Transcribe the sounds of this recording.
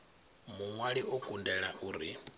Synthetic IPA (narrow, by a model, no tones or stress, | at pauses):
muŋwaɺiʔukʼundɛɺaʔuːɾi